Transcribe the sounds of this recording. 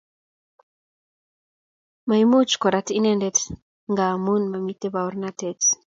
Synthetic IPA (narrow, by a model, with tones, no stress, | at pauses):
ma˨imu˦t͡ʃkɔ˨ɾati˦nɛ˦ndɛt | ŋɡa˨mu˦nma˨mi˦te˦bau˦ɾnatɛt